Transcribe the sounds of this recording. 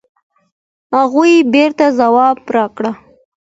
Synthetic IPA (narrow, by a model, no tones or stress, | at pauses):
haɣujbeɾt̪azawɑbɾɑkɽa